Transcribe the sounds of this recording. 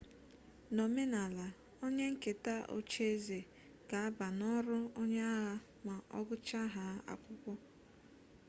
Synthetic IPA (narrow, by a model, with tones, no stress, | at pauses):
no˨me˦na˨la˨ | o˦ɲe˦ŋ̩˦ke˨ta˦ʔo̰˨t͡ʃe˦ze˨ | ɡ̥a˨a˦ba˨nɔ˦ɾʊ˦o˦ɲe˦a˦ɣa˦ | ma˨ʔɔ̰˦ɡʊ˦t͡ʃa˦ɦa˦a̰˨kʷʊ˦kʷɔ˦